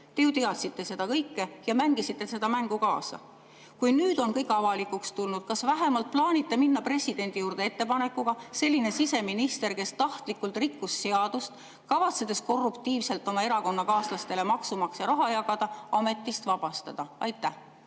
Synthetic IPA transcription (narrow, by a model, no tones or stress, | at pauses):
t̪e̞jut̪iɑt̪sit̪ːe̞se̞d̪̥ɑkɤjkːejɑmæŋɡ̥isit̪ːe̞se̞d̪ɑmæŋɡ̥ukɑ̰ːsɑ̰ | kujnyːd̪o̞nkɤjkɑvɑlikːukst̪ulnud̪̥̚kɑsvæɦemɑlt̪̚plɑːnit̪ːe̞minːɑpre̞sʲid̪̥e̞nʲd̪̥ijuːrd̪̥e̞et̪ːe̞pɑne̞kːuɡ̥ɑse̞lʲːine̞sise̞minist̪e̞ɾke̞st̪ɑht̪likːˑult̪ˑrikːusːe̞ɑd̪̥ust̪ | kɑvɑt̪se̞d̪̥e̞sko̞rːupt̪iːvse̞lt̪ːˑo̞mɑe̞ɾɑko̞nːɑkɑːslɑst̪e̞le̞mɑksumɑksjɑɾɑɦɑjɑɡɑd̪̥ɑɑme̞t̪ːˑist̪vɑb̥ɑst̪ɑd̪̥ɑɑjt̪ːæh